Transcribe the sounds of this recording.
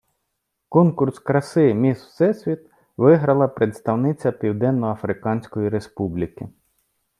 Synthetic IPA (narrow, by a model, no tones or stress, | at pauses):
kɔnkʊrskɾɐsɪmʲiswsɛsʲʋʲit̪ | ʋɪɦɾɐlˠɐpɾet̪st̪ɐwnɪt͡sʲɐpʲiwd̪ɛnːɔɐfɾɪkɑnʲsʲkɔjiɾe̞spublʲikɪ